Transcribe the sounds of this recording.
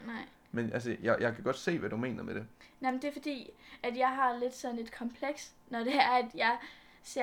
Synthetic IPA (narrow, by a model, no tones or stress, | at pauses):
nɑɪ̰ | menʔæls̬əjɑ̈ɪjɑ̈ɪkʰæɡ̥ɒ̽d̥se̝̰ːʋæd̥ume̝ːnɐmed̥e̝namnd̥e̝ɐfɒ̽d̥ḭːæd̥jɑ̈ɪɦɑ̈le̝d̥sɒ̽ne̝d̥kʰɒ̽mpʰleɡ̥s | nɒd̥e̝æɐæd̥jɑ̈ɪ | se